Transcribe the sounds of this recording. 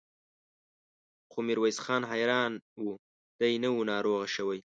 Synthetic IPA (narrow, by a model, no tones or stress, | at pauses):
xomɪɾwajsxɑːnɦajɾɑːnwu | d̪̥ajnawunɑːɾoɣaʃəwaj